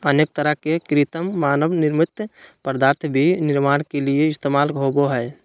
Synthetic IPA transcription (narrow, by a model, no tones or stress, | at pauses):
əneːk̚t̪əɾəɦkekɾɪt̪əmːaːnəʋnɪɾmɪt̪ːpəɾd̪aːɾt̪ʰbʱinɪɾmaːnkelieɪst̪eːmaːlɦoboɦɛː